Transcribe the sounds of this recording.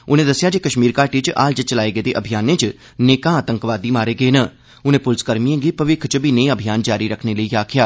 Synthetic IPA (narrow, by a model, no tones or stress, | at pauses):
ʊnẽːd̪əsːɪjaːd͡ʒiːkəʃmiːɾkaːɾʈiːt͡ʃʔaːld͡ʒət͡ʃəlaːeːɡəːt̪eːʔəbʱɪjaːnẽːt͡ʃ | neːkãːt̪əŋkʋaːd̪iːmaːɾeːɡəeːnəː | ʊnẽːpʊlskəɾmiẽːɡiːpəʋɪkʰt͡ʃbiːnẽːəbʱijaːnd͡ʒaːɾiːɾəkʰneːləiːaːkʰjaː